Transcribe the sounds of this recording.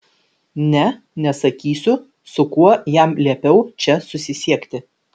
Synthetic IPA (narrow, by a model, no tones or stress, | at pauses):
nʲɛ | nʲɛsɐkʲiːsʲʊ | sʊkuɔjæmlʲiɛpʲɛʊt͡ʃʲɛsʊsʲɪsʲiɛkʲt̪ʲɪ